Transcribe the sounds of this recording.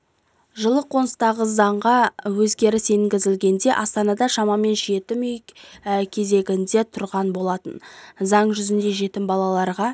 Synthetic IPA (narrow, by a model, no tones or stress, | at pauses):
ʒəlˠəqʰo̞nəst̪ɑʁəzɑɴʁɑwɵzɡʲe̞ɾɪseŋɡʲɪzɪlɡʲe̞nd̪e̞ʔɑst̪ɑnɑd̪ɑʃɑmɑme̞nʒe̞t̪ɪmʏjkʲʰe̞ze̞ɡʲɪnd̪e̞t̪ʰʊɾʁɑnbo̞lˠɑt̪ə̰nzɑɴʒʏzɪnd̪e̞ʒe̞t̪ɪmbɑlˠɑlˠɑɾʁɑ